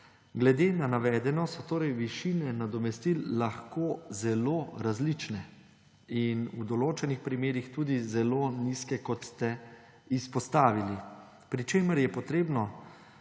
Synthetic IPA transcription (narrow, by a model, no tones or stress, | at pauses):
ɡlɛd̪eːnanaʋɛːd̪ɛnɔsɔt̪oːɾɛjʋiʃiːnɛnad̪ɔmɛst̪ilːaxkoːzɛloɾazlit͡ʃnɛ | inud̪ɔloːt͡ʃɛnixpɾimeːɾixt̪uːd̪izɛloniskɛkɔt̪st̪ɛ | ispɔst̪aːʋili | pɾit͡ʃeːməɾjɛpɔt̪ɾeːbnɔ